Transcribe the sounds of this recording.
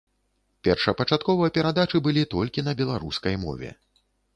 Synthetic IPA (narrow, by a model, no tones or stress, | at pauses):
pʲɛrʂɐpɐt͡ʂat̪̚kɔvɐjɐpʲɛɾad̪at͡ʂɨbɨlʲit̪ɔlʲkʲinɐbʲɛlˠaɾuskɐjmɔ̰vʲɛ̰